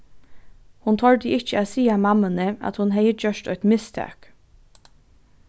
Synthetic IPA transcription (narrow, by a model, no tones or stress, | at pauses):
hʊnt̪ʰɔɹd̪ɪʔɪçt͡ʃəæːsiːamɑmənəɑ̰t̪hʊnɦeɪəd͡ʒœʃt̪œʏt̪mɪst̪ʰɑ̰ːk